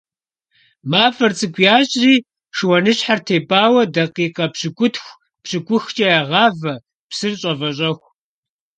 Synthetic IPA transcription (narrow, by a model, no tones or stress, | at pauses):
maːfɐrt͡sʼɨkʷʼjaːɕʼriː | ʂwɐnɨɕħartʰeːbaːwɐdɐqiːqɐpɕɪkʷʊtʰxʷ | pɕɨkʷʊxt͡ʃʼɐjaʁɑːvɐ | psɨrɕʼɐvɐɕ̬ʼɐxʷ